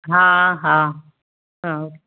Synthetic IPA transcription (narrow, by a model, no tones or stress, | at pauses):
ɦãɦã | ɦãoke